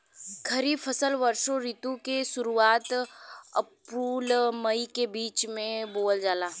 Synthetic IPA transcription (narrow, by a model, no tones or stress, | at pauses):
kʰɐɾiːbfʰɐsəlʋɐɾʃoɾiːt̪ũkeʃʊɾuaːt̪ɐ̰pɾuːlmɐikebiːt͡ʃmẽboːld͡ʒaːlaː